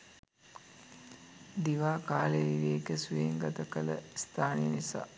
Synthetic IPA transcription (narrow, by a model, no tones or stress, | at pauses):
d̪iʋaːkaːleʋiʋeːkəsueŋɡɐt̪ɐkələ̰st̪ʰaːnijənisa̰ː